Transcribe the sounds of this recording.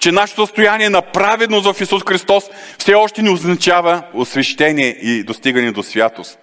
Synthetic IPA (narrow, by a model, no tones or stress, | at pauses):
t͡ʃɛnaʃɛt̪osəst̪ojaniɛnɐpɾavɛd̪nosvɐfisusxɾist̪ɔs | fsɛɔʃt̪ɛnɛoznɐt͡ʃavɐosvɛʃt̪ɛniɛid̪ost̪iɡɐnɛd̪osvʲjat̪ost̪